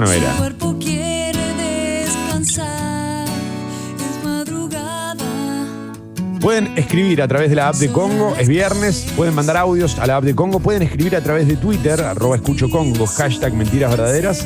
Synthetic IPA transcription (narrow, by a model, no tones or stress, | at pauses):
noβḛɾa̰weɾpokjeɾeðeskansa | ezmaðɾuɣa | ða | pwe̞ðe̞neskɾiβiɾat̪ɾaβeð̞elaap̚d̪eko̞ŋɡo̞ʔezβjɛɾne̞spweð̞e̞nmãnd̪aɾawðjo̞sa̰laap̚d̪eko̞ŋɡo̞pwe̞ðenehkɾiβiɾat̪ɾaβezðe̞t̪wit̪eɾa̰rʔoβaeskut͡ʃoko̞ŋɡoxaʃt̪aɡmẽnt̪iɾazβeɾðaðeɾas